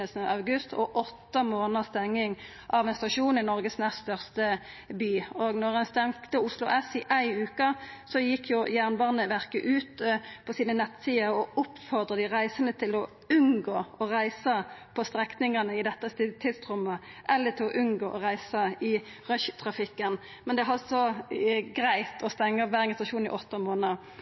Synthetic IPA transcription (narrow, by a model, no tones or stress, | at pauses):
əsnəʔɑʉɡʉst̪ʰɔ̰ʔɔt̪ːəmoːnəst̪ɛŋːɪŋ | ʔɑʋɛnst̪ɑʃuːnɪnɔʁɡəsnɛst̪œʁst̪ə | byːoːɡnɔʁɛnst̪ɛŋkt̪əʊslʊ̰ʔɛsɪʔæɪʉːkəsɔjɪkʰːjʊjæːʁnbɑːʁnəʋæʁkəʔʉːt̪pʰɔsiːnənɛt̪ːsiːəɔʊpːfɔʁd̪ʁəd̪ɪʁæɪsənət̪ʰɪlɔ | ʉnɡoːɔʁæɪsəpʰɔst̪ɾɛknɪŋənəɪd̪ɛt̪ːəst̪t̪ʰɪlst̪ʁʉmːə | ʔɛlːət̪ʰɪlɔʔʉnɡoːʔɔʁæɪsəɪ | ʁœçt̪ʰʁɑfɪkːən | mɛnd̪ɛɦɑsɔɡɾæɪt̪ʰɔst̪ɛŋːəʋæːɾɛŋɡət̪ɑʃuːnɪ̰ʔɔt̪ːɑmoːnəʁ